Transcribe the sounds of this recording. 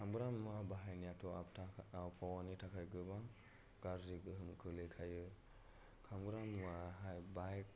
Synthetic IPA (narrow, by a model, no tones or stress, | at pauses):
kʰamɡɾamːabaɦajnijatʰɔaaawpʰawanitʰakʰajɡɯbaŋ | ɡ̥aɾziɡɯɦɯmkʰɯlɯkʰajɯ | kʰamɡɾamːaɦajbaj